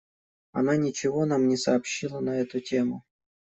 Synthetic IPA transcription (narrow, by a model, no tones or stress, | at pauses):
ɐ̰nanʲɪt͡ɕɪvo̞namnʲɪsɐːpɕːilˠənɐɛt̪ʊtʲemʊ